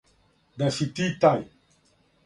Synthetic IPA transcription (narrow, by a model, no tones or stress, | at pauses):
d̪asit̪it̪aj